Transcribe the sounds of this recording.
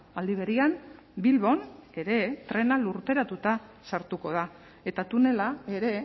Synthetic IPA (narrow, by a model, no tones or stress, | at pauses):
ald̪iβ̞e̞ɾiam | bilβ̞o̞ne̞ɾe̞t̪ɾe̞naluɾt̪e̞ɾat̪ut̪asaɾt̪uko̞ð̞a | e̞t̪at̪une̞lae̞ɾe̞